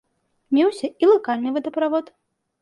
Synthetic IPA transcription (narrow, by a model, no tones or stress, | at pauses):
mʲɛwsʲɐilˠakalʲnɨvɨd̪ɐpɾavɔt̪